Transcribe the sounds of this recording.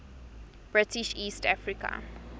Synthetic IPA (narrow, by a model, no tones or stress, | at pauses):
b̥ɹɪtiʃiːstafɹika̰